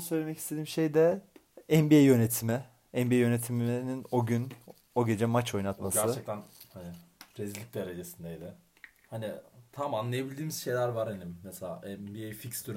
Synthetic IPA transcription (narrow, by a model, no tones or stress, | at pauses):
onɯsø̞jlʲemɛcʰi̥st̪ʰe̞d̪iːmʃejd̪ɛɛmbiejjø̞net̪ʰimɪ | ɛnbiejønet̪ʰimiinino̞ɟyn | o̞ɟe̞d͡ʒɛmat͡ʃʰo̞jnat̪masɟ̪æɾt͡ʃɯɛc̚t̪æn | hanɪpɾezilʲic̚d̪e̞ɾed͡ʒesind̪ejd̪ɪ | hanɪt̪ʰamanlˠajabilʲd̪iːmiz̥ʃe̞jlʲæɾvaɾhanimːɛselʲa̰ːʔɛmbiejficsd̪yɾ